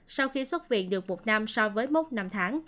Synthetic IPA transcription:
sa˧wxi˧swə˦˥t̚vḭ˧˨ənɗɨ˨˩ək̚mo˨˩t̚na˧msɔ˧vəː˨˦jmo˦˥t̚na˧mt̪ʰaː˨˦ŋ

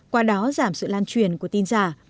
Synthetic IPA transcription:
kwaː˧ɗɔ˨˦zaː˧˩msɨ̰˧˨laː˧nt͡ɕwi˧˩ənku˧˩ət̪i˧nzaː˧˩

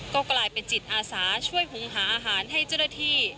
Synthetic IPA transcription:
kɔː˥˩klaː˧jpe˧nt͡ɕi˨˩t̪̚ʔaː˧saː˩˦t͡ɕʰu˥˩əjɦu˩˦ŋɦaː˩˦ʔaː˧ɦaː˩˦nɦa˥˩jt͡ɕa˥˩wna˥˩t̪ʰiː˥˩

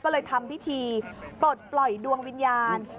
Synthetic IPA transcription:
kːlɤː˧jt̪ʰa˧mpi˦˥t̪ʰiː˧po˨˩t̪̚plɔ˨˩jdu˧əŋwi˧njaː˧n

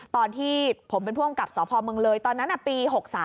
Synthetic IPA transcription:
t̪ɔː˧nt̪ʰiː˥˩pʰo˩˦mpe˧npʰu˥˩əmka˨˩p̚sɔː˩˦pʰɔː˧mɯ˧əŋlɤː˧jt̪ɔː˧nːa˦˥nʔa˨˩piː˧ɦo˨˩k̚saː˩˦

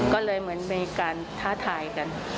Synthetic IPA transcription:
kɔː˥˩lɤː˧jmɯ˩˦ənmiː˧kaː˧n | t̪ʰaː˦˥˩t̪ʰaː˧jka˧n

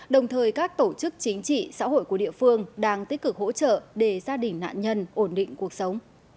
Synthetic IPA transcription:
ɗə˨˩wŋ͡mt̪ʰəː˨˩jkaː˦˥k̚t̪o˧˩t͡ɕɨ˦˥k̚t͡ɕï˨˦ŋ̟t͡ɕḭ˧˨sa̰ː˧˥ho̰˧˨jku˧˩əɗḭ˧˨əfɨ˧əŋɗaː˧ŋt̪i˦˥k̟̚kɨ˨˩k̚ho̰˧˥t͡ɕə̰ː˧˨ɗe˧˩zaː˧ɗï˨˩ŋ̟na̰ː˧˨nɲə˧nʔo˧˩nɗḭ̈˧˨ŋ̟ku˨˩ək̚sə˨˦wŋ͡m

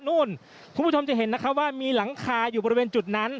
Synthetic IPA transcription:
nuː˥˩n | kʰu˧˦pʰu˥˩o˧mt͡ɕa˨˩ɦe˩˦nːa˦˥kʰp̚waː˥˩miː˧la˩˦ŋkʰaː˧juː˨˩bɔː˧ɾi˧weː˧nt͡ɕu˨˩t̪̚na˦˥n

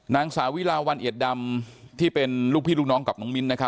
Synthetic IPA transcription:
naː˧ŋsaː˩˦wi˦˥laː˧wa˧nʔi˨˩t̪̚da˧mt̪ʰiː˥˩pe˧nluː˥˩pʰiː˥˩lu˥˩k̚nɔː˦˥ŋka˨˩nɔː˨˦˥ŋmi˦˥nːa˦˥kʰa˦˥

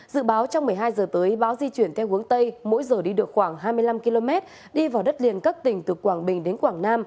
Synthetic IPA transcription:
zɨ̰˧˨ɓaː˨˦wt͡ɕɔ˧wŋ͡mmɨ˨˩əjɦaː˧jzəː˨˩t̪əː˨˦jɓaː˨˦wzi˧t͡ɕwi˧˩ənt̪ʰɛ˧whu˨˦əŋt̪ə˧jmo̰˧˥jzəː˨˩ɗi˧ɗɨ˨˩ək̚xwaː˧˩ŋɦaː˧jmɨ˧əjla˧mki˧lo˧mɛ˦˥t̚ | ɗi˧vaː˨˩wɗə˦˥t̚li˨˩ənkə˦˥p̚t̪ï˨˩ŋ̟t̪ɨ˨˩kwaː˧˩ŋɓï˨˩ŋ̟ɗe˨˦nkwaː˧˩ŋnaː˧m

